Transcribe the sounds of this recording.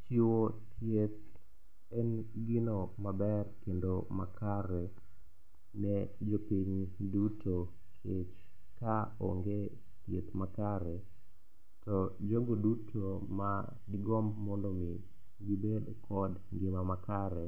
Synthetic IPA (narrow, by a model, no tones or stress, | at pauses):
t͡ʃiwotjet̪̚ | ɛnɡɪnomabɛrkendomakaɾɛ | nɛd͡ʒopiɲduto | kʰet͡ʃ | kaoŋɡe | tjet̪makaɾɛ | tɔd͡ʒoɡodutʰoma | dɪɡɔmmɔndɔmi | ɡibedkʰɔd | ŋɡɪmamakaɾɛ